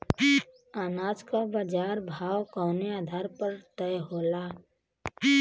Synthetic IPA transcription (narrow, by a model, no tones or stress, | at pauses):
i | aːnaːd͡ʒkabad͡ʒaːɾbʱaːwkɔːneaːd̪ʱaːɾpəɾt̪ɛjɦoːla | i